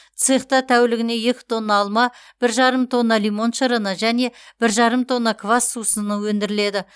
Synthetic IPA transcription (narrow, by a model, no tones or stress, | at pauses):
t̪sɨχt̪ɑt̪ʰæwɪlɪɡʲɪne̞jekʲɪ̥t̪ʰo̞nːɑːlˠmɑ | b̥ɪɾʒɑɾəmt̪ʰo̞nːɑlijmo̞nʃəɾənəʒæne̞b̥ɪɾʒɑɾəmt̪ʰo̞nːɑkʰvasːusənəwɵnd̪ɪɾɪle̞d̪ɪ